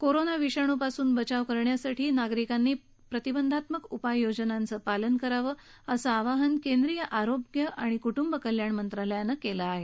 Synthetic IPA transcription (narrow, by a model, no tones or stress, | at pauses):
koɾonaʋiɕaɽ̃uːpasuːnbət͡ɕaʋkəɾɳjasaʈʰiːnaɡɾikanːiː | pɾət̪ibənd̪ʱat̪məkupajːod͡ʑənant͡səːpalənkəɾaʋəː | əsəaʋaɦənkend̪ɾijəʔaɾobɡjəʔaɽ̃ikuʈumbəkəljaɳmənt̪ɾaləjanːəkelaːɦe